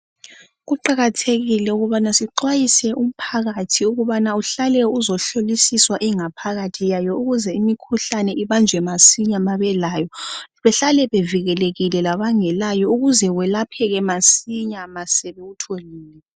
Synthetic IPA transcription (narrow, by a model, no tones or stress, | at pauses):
ɣuǃaɣatʰeɣilɛuɣuβanasiǃwajisɛʔum̩pʰaɣatʰiuɣuβanauɬalɛuzɔɬolisiswaʔiŋapʰaɣatʰijajɔuɣuzɛimikʰuɬanɛiβand͡ʒʱwɛmasiɲamaβɛlaːjɔβɛɬalɛβeviɣɛleɣilɛlaβaŋɛlajɔuɣuzɛwɛlapʰɛɣɛmasiɲamasɛβeɣutʰoliːlɛ